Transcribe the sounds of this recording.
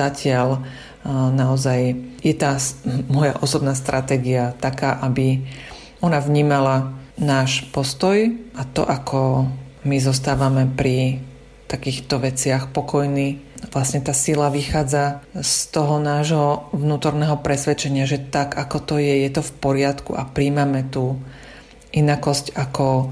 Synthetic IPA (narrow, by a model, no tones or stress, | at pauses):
acɪal | naɔzajjɛt̪aːmɔja̰ʔɔsɔbnaːst̪ɾʔat̪ɛːɡiat̪akaːʔabi | ɔnavɲiːmalanaːʃpɔst̪ɔjʔat̪ɔ̰ʔakʰɔmizɔst̪aːʋamɛpɾi | t̪akiːxt̪ɔʋɛt͡sɪaxpɔkɔjniːʋlasɲɛt̪aːsilaʋixaːd͡zast̪ɔɦɔnaːʒɦɔʋnuːt̪ɔɾnɛːɦɔpɾɛsʋɛt͡ʃɛɲɪaʒɛt̪aɡakɔt̪ɔjɛjɛt̪ɔfpɔɾɪat̪kṵa̰pɾiːmamɛt̪uː | ʔinakɔscakɔ